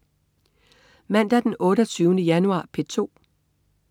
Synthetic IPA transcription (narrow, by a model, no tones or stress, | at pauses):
mæn̰d̥æd̥enʔɔ̽ːɾɐt͡sʰyːʊnəjænuɑ̰̈ːpʰe̝t͡sʰo̝̰ː